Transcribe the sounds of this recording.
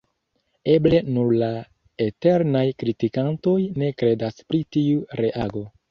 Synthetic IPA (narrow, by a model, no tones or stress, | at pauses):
e̞ble̞nuɾla | ete̞ɾnajkɾitikanto̞jne̞kɾe̞daspɾitiuɾe̞ʔaɡo̞